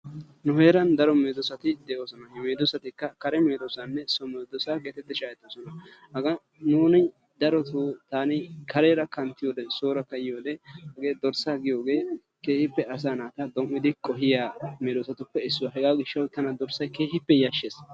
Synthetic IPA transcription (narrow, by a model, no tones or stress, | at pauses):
nʊhe̞ːɾɐnd̪ɐɾɔmeːd̪ɔsɐt̪ɪd̪ɛːʔoːsɔnɐjɛmeːd̪ɔsɐt̪ɪkːɐkɐɾɛmeːd̪ɔsanːɛsɔmeːd̪ɔsaːɡeːt̪ɛt̪ːɪʃaːɛt̪ːosɔnɐ | hɐɡɐ | nuːnɪ | d̪ɐɾɔt̪ut̪aːnɪkɐɾeːɾɐkɐnt̪ːɪjoːd̪ɛsoːɾɐkːɐɪjoːd̪ɛhɐɡe̞ːd̪ɔɾsaːɡɪjo̞ːɡe̞ː | ke̞ːhɪpːɛɐs̬aːnaːt̪ɐd̪ɔmːɪd̪ɪkʼɔɦɪjaːmeːd̪ɔsɐt̪ʊpːɛɪsːʊwaɦɛɡaːɡɪʃːɐwt̪ːɐnɐd̪ɔɾsɐjke̞ːhɪpːɛjɐʃːeːs